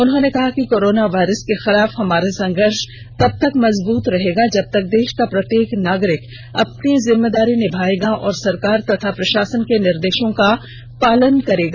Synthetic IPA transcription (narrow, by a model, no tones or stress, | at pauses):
ʊnɦõnekɐɦakikoːɾoːnaʋaːɪɾəskexɪlaːfɦɐmaːɾasɐ̃ŋɡəɾʃ | t̪ɐb̚t̪ɐkmɐzbuːt̪ɾɐɦeːɡad͡ʒɐb̚t̪ɐk̚d̪eːʃkapɾɐt̪jeːknaːɡɾɪk | ɐpnizɪmːed̪aːɾinɪbʱaːeɡaʔɔːɾsɐɾkaːɾt̪ɐt̪ʰapɾɐʃaːsənkenɪɾd̪eːʃõka | paːlənkɐɾeːɡaː